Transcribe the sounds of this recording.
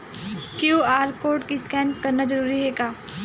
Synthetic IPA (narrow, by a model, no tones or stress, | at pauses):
kjuːaːɾkoːɾʈkiskɛːnkɐɾnad͡ʒəɾuːɾiɦeːɡaː